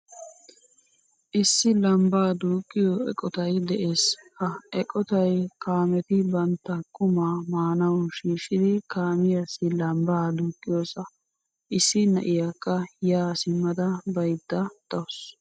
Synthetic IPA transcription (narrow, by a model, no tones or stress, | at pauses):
ʔɪsːɪlɐmbaːd̪uːkʼːɪjɔɛ̰kʼɔt̪ɐjd̪ɛʔeːshɐʔɛkʼɔt̪ɐjkaːmɛt̪ɪbɐnt̪ːɐkʼʊmaːmaːnɐwʊʃiːʃɪd̪ɪkaːmɪjasːɪlɐmbaːd̪uːkʼːɪjoːsɐ | ʔɪsːɪnɐ̰ʔɪjakːɐjaːsɪmːɐd̪ɐbɐjd̪ːɐd̪̥ɐws